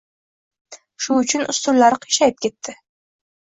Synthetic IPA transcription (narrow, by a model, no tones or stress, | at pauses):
ʃʊʊt͡ʃʰʊnʊst̪ʰʊɾlaɾɪqʰɨ̥jʃajɪp̚kʲʰe̞t̪ʰːɪ